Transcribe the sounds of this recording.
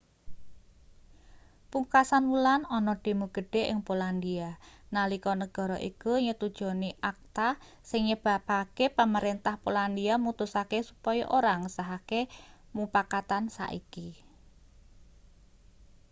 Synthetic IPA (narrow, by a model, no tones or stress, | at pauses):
puŋkasanulanɔnɔɖ̥e̤muɡ̥ə̤ɖ̥e̤ʔɪ̰ŋpoland̪ianalikɔnəɡ̥ɔ̤ɾɔʔikuɲət̪ud̥ʒ̥ɔ̤niʔak̚t̪a | sɪŋɲəb̥a̤pakepaməɾent̪ahpoland̪iamut̪usakesupɔjɔ̰ʔoɾaŋəsaɦakemupakat̪ansa̰ʔḭki